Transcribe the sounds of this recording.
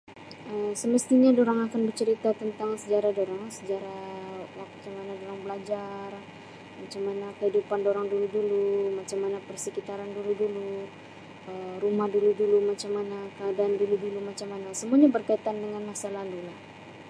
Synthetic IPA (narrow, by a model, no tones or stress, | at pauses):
əmsəməst̪iɲadoɾaŋakanbərt͡ʃəɾit̪at̪ənt̪aŋsəd͡ʒaɾadoɾaŋsəd͡ʒaɾawakt͡ʃaŋmanadoɾaŋbəlad͡ʒar | mat͡ʃamanakəɦidupandoɾaŋduludulumat͡ʃamanapərsəkit̪aɾanduludulu | əɾumahduludulumat͡ʃamːanakəadaːnduludulumat͡ʃamːanasəmuaɲabərkait̪andəŋanmasalalulah